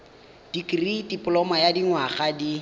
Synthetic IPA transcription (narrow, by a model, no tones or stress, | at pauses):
d̥ikʼridipʼʊlɔmajadiŋwaχadi